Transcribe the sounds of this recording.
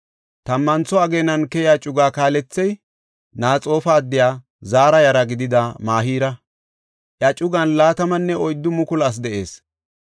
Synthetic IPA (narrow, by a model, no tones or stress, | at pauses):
t̪ɐmːɐnt͡sːɔɐɡeːnɐnkɛjaːt͡ʃʼʊɡaːkaːlɛt͡sːɛj | naːt͡sʼo̞ːfaːd̪ːɪjaː | zaːɾɐjɐɾɐɡɪd̪ɪd̪ɐmaːɦiːɾɐ | ʔjat͡ʃʼʊɡɐnlaːt̪ɐmɐnːɛɔjd̪ːʊmʊkʊlas̬d̪ɛʔe̞ːs